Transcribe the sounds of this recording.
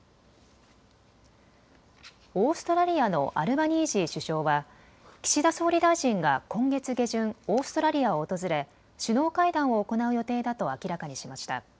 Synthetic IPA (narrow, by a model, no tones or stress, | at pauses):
o̞ːsɨ̥t̪o̞ɾaɾʲiano̞̰ʔaɾɯ̟baɲ̟iːʑiɕɨɕo̞ːβa | kʲi̥ɕid̪aso̞ːɾʲid̪aiʑĩŋɡakõ̞ŋɡe̞t͡sɨɡe̞ʑɨ̃ɴ̃o̞ːsɨ̥t̪o̞ɾaɾʲiaoːt̪o̞zɨɾe̞ | ɕɨno̞ːkaid̪ãɰ̃o̞ːko̞naɯ̟jo̞t̪e̞ːd̪at̪o̞akʲiɾakaɲ̟iɕimaɕi̥t̪a̰